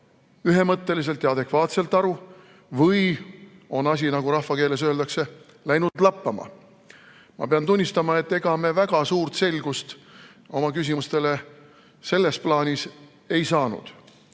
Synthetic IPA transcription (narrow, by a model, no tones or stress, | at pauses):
yɦe̞mɤt̪ːe̞lis̬e̞lt̪jɑɑd̪e̞kvɑːt̪se̞lt̪ːˑɑɾu | vɤjo̞nɑs̬ʲinɑɡuɾɑhfɑke̞ːle̞s̬ø̞ːld̪ɑkse̞ | læjnud̪̥lɑpːɑmɑ̰ | mɑ̰pe̞ɑnt̪unʲːist̪ɑmɑet̪ːe̞ɡ̥ɑme̞væɡ̥ɑsuːrt̪se̞lɡ̥ust̪ | o̞mɑkys̬ʲimust̪e̞le̞ | se̞lːe̞splɑːnʲis | e̞jsɑːnṵd̪̥